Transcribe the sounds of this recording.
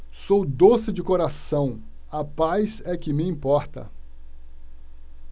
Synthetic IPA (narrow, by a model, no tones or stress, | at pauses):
sowd̪osɪd͡ʒɪkoɾasɐ̃w̃ | ɐpajzɛkɪmɪĩpɔɾt̪ɐ̰